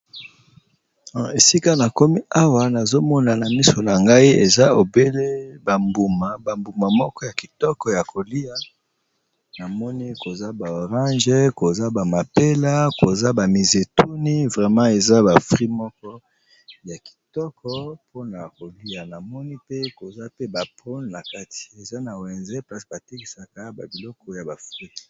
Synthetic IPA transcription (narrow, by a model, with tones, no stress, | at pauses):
e˨si˦ka˦na˨ko˦mi˦a˦wa˦na˨zo˦mɔ˦na˨na˨mi˦so˨na˨ŋɡa˦i˦e˨za˦o˨be˦le˦ba˨mbu˨ma˨ba˨mbu˨ma˨mɔ˦kɔ˦ja˨ki˨tɔ˦kɔ˨ja˨kʰo˨li˦a˨ | na˨mɔ˦ni˦ko˨za˦ba˨o˨ʁɑ̃˦ʒe˦ko˨za˦ba˨ma˨pe˦la˦ko˨za˦ba˨mi˨ze˨tu˦ni˦vʁɛ˨mã˦e˨za˦ba˨fʁi˦mɔ˦kɔ˦ | ja˨ki̥˨tɔ˦kɔ˦pʰo˦na˨ko˨li˦a˨na˨mɔ˦ni˦pe˦ko˨za˦pe˦ba˨pʁo˦nna˨ka˦ti̥˨e˨za˦na˨wɛ˨nze˦pla˦sba˨te˦ki˨sa˨ka˦ba˨bi˨lɔ˦kɔ˦ja˨ba˨fʁi˦k